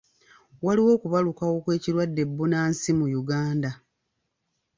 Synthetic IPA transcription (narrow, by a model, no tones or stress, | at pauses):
waliwo̞ːkuβalukawo̞kwe̞ːciɾwadːe̞bːunaːnsimujuɡaːnda